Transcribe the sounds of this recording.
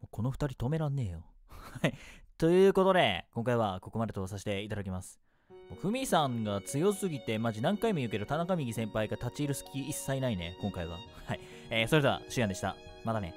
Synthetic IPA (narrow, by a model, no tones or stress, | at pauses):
moko̞no̞ɸɯ̟t̪aɾʲit̪o̞me̞ɾãnːe̞ːjo | hait̪o̞jɯ̟ːko̞t̪o̞d̪e̞kõ̞ŋkaiβ̞ako̞ko̞mad̪e̞t̪o̞saɕi̥t̪e̞it̪ad̪akʲimasɨ̥ | moːɸɯ̟mʲisãŋɡat͡sɨjo̞sɨɡʲit̪e̞maʑinãŋkaimojɯ̟ːk̬e̞d̪ot̪anakamʲiɡʲisẽ̞mpaiɡat̪at͡ɕiːɾɯ̟sɨ̥kʲiːsːainaine̞̰kõŋkaiβ̞a̰hai | eːso̞ɾe̞d̪e̞a̰ɕɨjãnd̪e̞ɕi̥t̪a̰ | mat̪ane̞̰